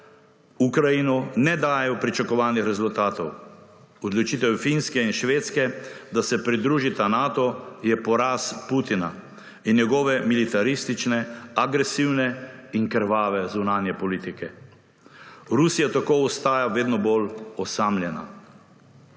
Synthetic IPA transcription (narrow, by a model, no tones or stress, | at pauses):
ukɾajinɔnɛd̪aːjjɛɔpɾit͡ʃakɔʋaːlnixɾɛzult̪aːt̪ɔw | ɔd̪lɔt͡ʃit̪ɛwfinskɛinʃʋeːt̪skɛd̪asɛpɾid̪ɾuːʒit̪anaːt̪ɔjɛpɔɾaːsput̪ina | inːjɛɡɔːʋɛmilit̪aɾist̪it͡ʃnɛaɡɾɛsiwnɛiŋkɾʋaːʋɛzunaːnjɛpɔliːt̪ikɛ | ɾusijat̪akoːɔst̪aːjaʋeːd̪nɔbolɔsamlʲjɛna̰